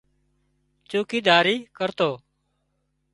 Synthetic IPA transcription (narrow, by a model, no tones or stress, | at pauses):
t͡ʃuːkiːd̪aːɾiːkəɾt̪oː